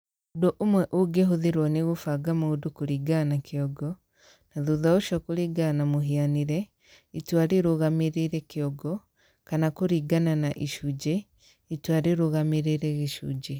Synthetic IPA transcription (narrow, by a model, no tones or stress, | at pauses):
odoʔomwɛʔoɡeɦoðeɾwɔneɣofaɡamoodukoɾiɡanakeɔɡɔ | naðuðaoʃɔkoɾiɡanamoɦianiɾɛ | itwaɾeɾoɣameɾeɾɛkeɔɡɔ | kanakoɾiɡananaʔiʃud͡ʒe | itwaɾeɾoɣameɾeɾɛɣeʃṵd͡ʒe